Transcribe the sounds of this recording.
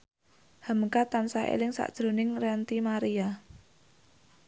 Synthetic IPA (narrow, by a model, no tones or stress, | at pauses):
həməkat̪ansaḛlɪŋsa̰ʔd̥ʒ̥ɾo̤nɪŋrɛnt̪imaɾia